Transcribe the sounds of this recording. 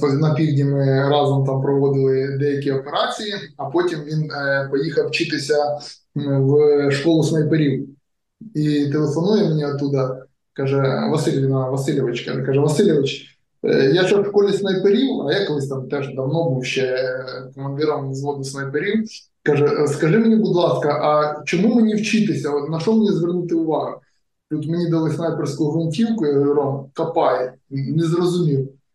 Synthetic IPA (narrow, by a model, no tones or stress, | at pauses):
t̪onɐpʲiɡdʲɪmɨɾazʊmt̪ampɾɐʋod̪ʲɨlˠɪd̪ʲɛkʲiɐpʲɪɾasʲɨɪɐpotʲɪmvʲinpɐjixɐft͡ɕit̪ɨsʲɐ | vʂkolˠʊsmɐjpɨɾʲi | it̪ɨʋɨsɐnuɪmʲɪnʲeɐt̪ːud̪ɐ | kaʐɛvɐsɨlʲɪvʲɪnɐʋɐsɨlʲɪʋɐt͡ɕkɐ̰kaʐɛʋɐsɨlʲɪʋɐt͡ɕ | jaʂɐskolʲɪsʲnɐjpɨɾʲilˠɐjakɐlˠɨsʲt̪amt̪ɛʐd̪ɐvnobuɕɛkɐmɐnd̪ʲiɾɐmzlod̪ɪsʲnɐjpɨɾʲil | kaʐɛskɐʐɨmnʲeɡʊd̪lˠaskɐʔɐt͡ɕɪmumɨnʲɪwt͡ɕit̪ɪsʲɐnɐʂt̪omnʲezʋʲɪrnut̪ɨʊʋaɦʊ | t̪ʲut̪mʲɪnʲid̪ɐlˠɨsnajpʲɪrskʊjʊɦʋʲɐnʲtʲiwkʊjaɡɾʊɾomkɐpajɪnʲɪzrɐzʊmʲilˠ